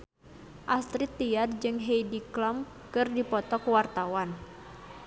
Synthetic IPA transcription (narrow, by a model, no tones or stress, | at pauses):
ʔast̪ɾit̪ːiard͡ʒɨŋɦejdiklɔm | kɨrdipɔt̪ɔkuwart̪awan